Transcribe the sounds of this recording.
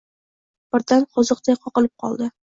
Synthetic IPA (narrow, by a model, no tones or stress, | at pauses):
b̥ɪɾd̪anqʰʊzɨq̚d̪ajqʰɒqɨlɪp̚qʰɒ̰lˠd̪ɪ